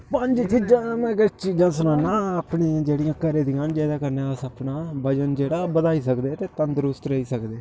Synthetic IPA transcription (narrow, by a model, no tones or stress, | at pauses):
pəɲd͡ʒt͡ʃiːd͡ʒãːmɛ̃ːkət͡ʃiːd͡ʒãːsʊnãːnãːaːpɳẽːd͡ʒeːɽijãːkəɾeːd̪ɪjãːnd͡ʒɛːd̪aːkəɾneːəsəpnaːbəd͡ʒənd͡ʒeːɽaːbəd̪aːiːsəkd̪eːt̪eːt̪ə̃nd̪ɾʊst̪ɾəɦiːsəkd̪eː